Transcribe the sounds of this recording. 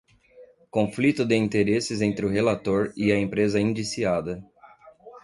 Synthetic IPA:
kõflit̪ʊd̪ɪĩnt̪eɾesɪzẽnt̪ɾɪʊɦelat̪oɾɪɐẽpɾezɐĩd͡ʒisiad̪ɐ

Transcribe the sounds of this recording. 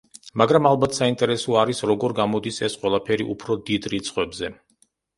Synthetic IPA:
maɡɾamalˠbat̪ʰsaint̪ʼɛɾɛsɔaɾisɾɔɡɔɾɡamɔd̪isɛsqʼwɛlˠapʰɛɾiʔupʰɾɔd̪id̪ɾit̪sʰʼχʼwɛbzɛ

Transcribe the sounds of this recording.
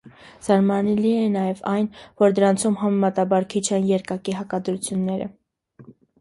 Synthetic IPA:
z̥ɑɾmɑnɛliɛnːɑjɛvɑjnvɔɾd̪əɾɑnt͡sʰumɦɑmɛmɑt̪ɑbɑɾkʰit͡ʃʰɛnjɛɾkɑkiɦɑkɑd̪ɾut͡sʰjunːɛɾə̰

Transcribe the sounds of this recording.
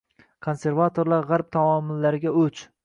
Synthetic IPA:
kʰonse̞ɾvat̪ʰoɾlˠaɾʁaɾp̚t̪ʰamɒmɪlːaɾɪɡʲaɵt͡ʃ

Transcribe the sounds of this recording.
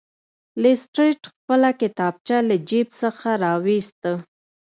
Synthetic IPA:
lɪsʈɾiʈxpəlakɪt̪ɑb̚t͡ʃaləd͡ʒibsəxaɾɑwist̪ə

